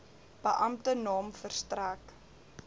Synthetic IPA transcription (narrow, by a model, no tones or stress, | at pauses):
b̥əʔɐmtənɑːmfərstræːk